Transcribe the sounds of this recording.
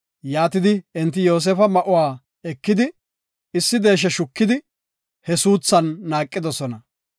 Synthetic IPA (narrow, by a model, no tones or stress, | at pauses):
jaːt̪ɪd̪ɪɛnt̪̬ːɪjo̞ːs̬eːfɐmɐʔʊwaː | ɛkːɪd̪ɪ | ɪsːɪd̪e̞ːʃ̬ɛʃʊkːɪd̪ɪ | hɛsuːt͡sːɐnːaːkʼːɪd̪ɔsɔnɐ